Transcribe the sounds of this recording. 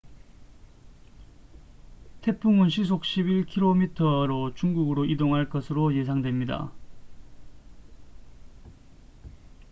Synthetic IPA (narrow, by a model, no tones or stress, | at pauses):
tʰe̞pʰuŋɯnɕ̬ʰis̬ʰok̚ɕ͈ʰibiɭkʰiɾomitʰʌɾot͡ɕuŋɡuɡɯɾoʔidoŋɦaɭk͈ʌsʰɯɾoje̞s̬ʰaŋdwe̞mɲida̰